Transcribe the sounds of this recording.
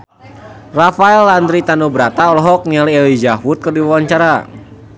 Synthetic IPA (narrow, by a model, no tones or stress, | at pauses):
rafaɛlːand̪ɾit̪anobəɾat̪aɔlɔɦɔk̚nialielizaɦwut̪̚kɨrdiwawaɲt͡ʃaɾa